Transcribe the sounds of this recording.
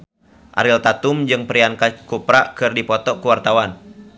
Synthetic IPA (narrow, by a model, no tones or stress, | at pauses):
ʔa̰ɾilt̪at̪ʊmd͡ʒɨŋpɾiankakupɾaʔkɨrdipɔt̪ɔkuwart̪awan